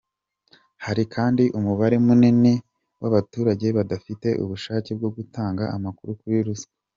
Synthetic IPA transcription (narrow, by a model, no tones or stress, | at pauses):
haɾikʰaːndiʔumuβaɾe̞munini | waβatuːɾaɟe̞βadafite̞ʔṵβuʃaːceb̚ɡo̞ɡutaːŋɡaamakuɾukuɾiɾusḁ